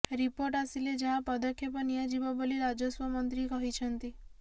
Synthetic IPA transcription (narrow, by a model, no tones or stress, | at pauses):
ɾipoɾʈasiled͡ʒaɦãpəd̪əkʰjepənijãd͡ʒibabəliɾad͡ʒəsʋəmənt̪ɾikəɦit͡ʃʰənt̪i